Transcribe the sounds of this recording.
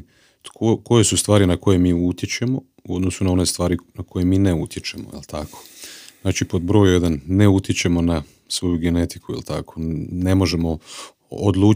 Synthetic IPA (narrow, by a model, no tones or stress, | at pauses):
t̪koko̞je̞sust̪ʋaːɾinako̞jemiːut̪je̞t͡ɕe̞mo̞ | uo̞d̪nosunao̞ne̞st̪ʋaːɾinako̞jemiːneut̪ʲje̞t͡ʃe̞mo̰jḛlt̪ʰakʰo̥znaːt͡ʃipo̞d̪̚bɾo̞ːjje̞d̪anːe̞ut̪jet͡ɕe̞mo̞na | sʋo̞juɡe̞ne̞t̪i̥kuḭlt̪a̰kʰo̞̥ne̞mo̞ʒe̞mo̞ | o̰d̪lˠuː